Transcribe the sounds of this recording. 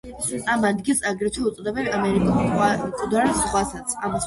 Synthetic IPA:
amad̪ɡilˠsaɡɾɛt͡ʃ̪ʰwɛut̪sʼɔd̪ɛbɛnamɛɾikʼukʼud̪aɾsχwasat̪sʰa̰m

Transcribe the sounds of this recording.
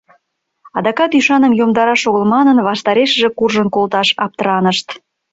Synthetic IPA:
ɑd̪ɑkɑt̪yʃɑnəmjomd̪ɑɾɑʃoɣəlmɑnənβɑʃt̪ɑɾeʃəʒĕkurʒənkolt̪ɑʃɑp̚t̪əɾɑnəʃt̪

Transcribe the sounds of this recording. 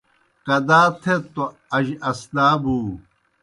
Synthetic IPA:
kɐd̪aːt̪ʰet̪o | ɐʑɐsnaːbuː

